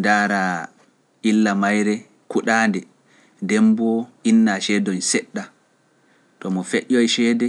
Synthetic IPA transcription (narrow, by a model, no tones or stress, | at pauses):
ndaːɾa | ilːamajɾɛ | kuɗaːndɛ | dɛmbɔinːaʃɛdɔnsɛɗːa | tɔmɔfeʔɔjʃɛːdɛ